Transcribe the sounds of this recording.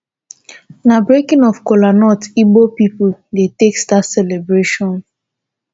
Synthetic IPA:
nabɾekĩnɔfkolanɔtibopipʊldetekstatsɛlebɾeʃɔ̃n

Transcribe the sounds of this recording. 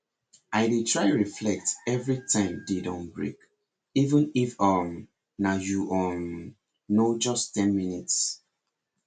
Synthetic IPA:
aɪdetʰɹaɪɹiflɛk̚tɛvɹitʰãɪ̃mdedɔ̃nbɹḛk | ivə̃nifam | najuʔɔnː | od͡ʒɔstɛ̃nminits

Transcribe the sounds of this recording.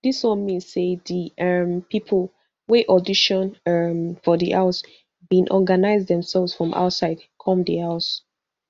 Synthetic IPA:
diswɔ̃nmĩnsːeðiʌmpʰipʰl̩ˠ | weʔɔdiʃɔ̃nʌmfɔðiʔaʊs | bĩnʔɔɡanaɪzdɛ̃msɛlˠvz̥fɹɔ̃mʔa̰ʊtsaɪdkʰɔ̃mdihaʊs

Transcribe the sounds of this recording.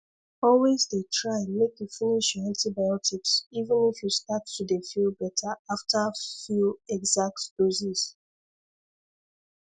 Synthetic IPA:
ɔlwezdetʰɹaɪmekjufiniʃjãntibajɔtʰiksivə̃nifjustattudefilˠbɛtʰaaftafjilɛɡzak̚td̥oziz

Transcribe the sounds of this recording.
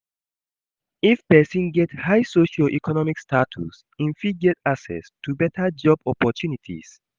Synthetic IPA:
ifpɛsĩnɡɛthajsoʃɔʔikʰɔnɔmikstʰatʰṵs | ĩnfid̚ɡɛtaksɛ̰stʰubɛtʰəd͡ʒɔbɔpɔtʰjunitʰḭs

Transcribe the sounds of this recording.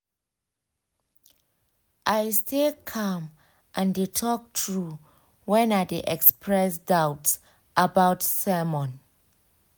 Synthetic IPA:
ʔajstelkʰãm | ʔãndetʰɔk̚tʰɹu | wɛ̃nadeʔɛkspʰɹɛsdawts | ʔabawtsɛmɔ̃n

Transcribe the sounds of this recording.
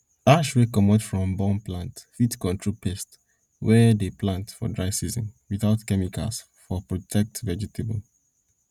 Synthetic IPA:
aʃwekɔmɔtfɹɔ̃mbɔ̃nplãntfitkɔ̃ntʰɹɔpʰɛst | wɛdeplãntfɔ̰dɹaɪsizɔ̰̃nwiθaʊtkɛmikʰa̰s | fɔpɹɔtʰɛk̚tvɛd͡ʒɛtʰebl̩

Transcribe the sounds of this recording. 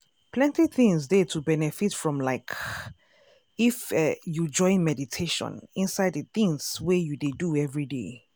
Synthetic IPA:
pʰlɛ̃ntiθĩŋsdɛtʰubɛnɛfitfɹɔ̃mlaɪk | ifɛjud͡ʒɔ̃ɪ̃nmɛditʰeʃɔ̰̃nĩnsaɪdðəθĩŋswɛjudeduɛvɹidḛ

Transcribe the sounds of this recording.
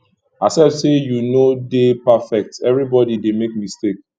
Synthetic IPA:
asɛvsejunodepafɛk̚tɛvɹibɔdidemek̚mistek

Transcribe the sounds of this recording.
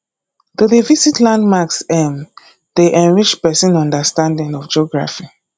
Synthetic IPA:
tuðevisitlãndmaksɛ̃m | d̥eʔɛ̃nɹid͡ʒpɛsĩnɔ̃ndəstãndĩŋɔfd͡ʒɔɡɹa̰fi

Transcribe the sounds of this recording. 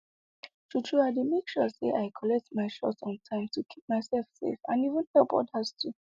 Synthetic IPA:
tut͡ʃʰuademekʃɔsḛʔaɪkʰɔlɛk̚tmaɪʃɔ̰tɔ̃ntʰãɪ̃mtʰukʰip̚maɪsɛlfsḛfãnivə̃nhɛlˠpwɔ̰t̚hastʰu

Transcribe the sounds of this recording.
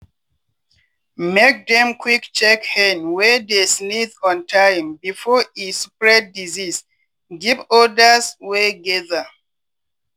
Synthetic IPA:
mek̚dɛ̃mkʰwikt͡ʃɛkhɛnwɛdesniθɔ̃ntʰãjmbifɔispɹɛdːizis | ɡivɔdəsweɡɛðə

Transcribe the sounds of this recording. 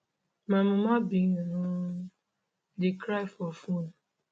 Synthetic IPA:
mamʊmabiŋnu | dikɾajfɔfun

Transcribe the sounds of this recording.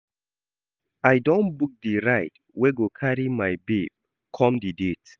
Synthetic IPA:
ajdõnbuk̚diɹaɪt | weɡokʰaɹimajbib̚ | kʰɔ̃mdidit

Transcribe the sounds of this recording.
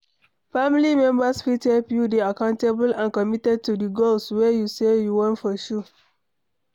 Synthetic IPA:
famlimɛ̃mbasfitɛlpjudeakãʊ̃ntebəlãnkɔmitɛd̚tudiɡolswejusejuwɔ̃ntfɔʃu

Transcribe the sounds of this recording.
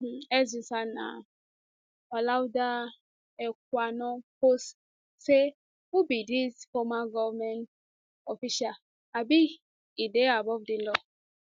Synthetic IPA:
ɛzisana̰ | ɔlawda | ɛk̚ʷanɔ̃post | se | ubidisfɔmaɡɔvmɛnt | ɔfiʃal | abi | ideabɔvdilɔ

